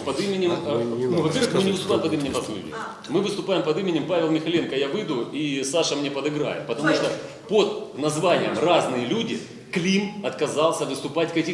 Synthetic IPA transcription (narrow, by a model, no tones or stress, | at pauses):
pɐd̪ɨmʲɪnʲɪmnuvɐpʲervɨxmmɨnʲɪvɨst̪ʊpajɪmpɐd̪imʲɪnʲɪmrazlʲṵdʲɪ̰ | mɨvɨst̪ʊpajɪmpɐd̪ɨmʲɪnʲɪmpavʲɪlˠmʲɪxɐlʲenkəjavɨd̪ʊisaʂəmnʲepəd̪ɨɡɾa̰jɪ̰t̪̚pət̪ɐmuʂt̪o | pod̪nɐzvanʲɪjəmraznɨjəlʲudʲɪ | klʲimɐt̪kɐzɑlˠsʲəvɨst̪ʊpatʲkɐkʲi